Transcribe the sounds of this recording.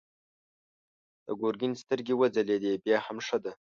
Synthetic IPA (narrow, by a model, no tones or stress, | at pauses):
d̪̥ə̰ɡoɾɡɪnst̪əɾɡʲewəd͡zaled̪ebjɑhamʂəd̪a